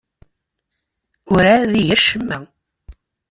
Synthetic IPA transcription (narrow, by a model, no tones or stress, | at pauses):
ʊɾæðiʝəɾʃəmːæ